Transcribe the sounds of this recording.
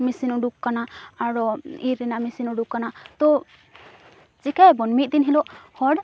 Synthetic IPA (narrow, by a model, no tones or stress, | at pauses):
misinuɖukkːanaaɽɔiɾːɛnaʔmisinuɖukkːanat̪ɔ | t͡ʃikabɔnmit̪̚d̪inɦilɔʔhɔɽ